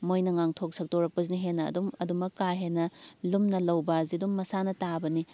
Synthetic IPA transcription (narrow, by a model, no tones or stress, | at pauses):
mojnɐŋaŋtʰok̚sɐk̚toɾɐk̚pɐzniɦenːɐ̰ːdumɐdumɐkːaɦenːɐlumnɐlɐwbazidumːɐsanɐtabɐni